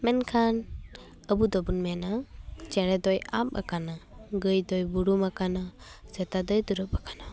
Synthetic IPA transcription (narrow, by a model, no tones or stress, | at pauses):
mɛnkʰan | əbud̪ɔbunmɛnat͡ʃɛɽɛd̪ɔjap̚a̰kanaɡɯjd̪ɔjbuɾumakana | sɛt̪ad̪ɔjd̪uɾɯp̚akʰana